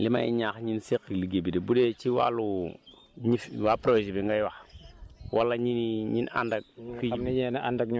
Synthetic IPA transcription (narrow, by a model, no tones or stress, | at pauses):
lima̰ḭɲakɲinsekiliɡebidebudet͡ʃiwa̰lu | ɲifwapɾosibiŋɡajwa | wʔalːaɲiniɲina̰ndak̚fiiɲenaʔandakɲ